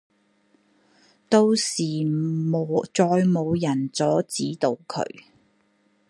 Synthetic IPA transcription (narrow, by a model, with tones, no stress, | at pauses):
t̪o˥wsiː˨mo˨t͡sɔː˧jmo˨˧wjɐ˨˩nt͡sɔː˨˥t͡siː˨˥t̪o˨˧wkʰɵ̰˨˧˥ɥ